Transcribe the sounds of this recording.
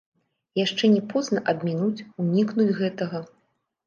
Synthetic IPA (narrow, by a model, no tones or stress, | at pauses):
jaʂt͡ʂɛnʲɛpɔznɐʔɐb̪ʲmʲinut͡sʲunʲiknud͡zʲɣɛt̪ɐɣɐ